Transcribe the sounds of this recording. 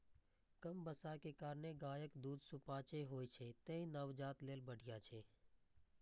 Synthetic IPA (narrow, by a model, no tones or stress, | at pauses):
kəmbəsaːkeːkaːɾneɡaːjəkd̪uːd̪sʊpaːt͡ʃeɦoːit͡ʃʰeːt̪ẽːĩnəʋd͡ʒaːt̪leːlbəɽʱɪjaːt͡ʃʰeː